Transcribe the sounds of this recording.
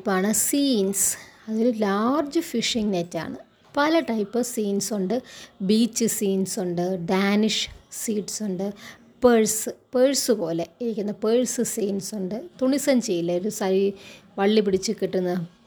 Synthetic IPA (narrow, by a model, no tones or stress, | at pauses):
pːaːɳɨsiːnsɐðo̞ɾulaːrd͡ʑɨfiʂiŋnetːa̰ːɳɨ | pɐlɐʈɐjpːɨsiːnsuɳɖɨbiːt͡ɕːɨsiːnsuɳɖɨɖaːniʂsiːʈsuɳɖɨ | peɻsɨpeɻsɨpo̞ːle̞iɾikʲːunːɐpeɻsɨsiːnsuɳɖɨt̪uɳisɐmt͡ɕejːilːɐoɾusɐɾiʋɐɭːipiɽit͡ɕːukiʈːunːɐ